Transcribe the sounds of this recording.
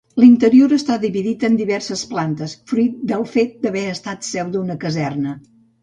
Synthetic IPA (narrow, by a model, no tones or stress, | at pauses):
lint̪əɾioɾəst̪aðiβiðit̪ənd̪iβɛrsəsplant̪əsfɾuit̪̚d̪əlˠfet̪̚d̪əβɛəst̪at̪sɛwd̪unəkəzɛrnə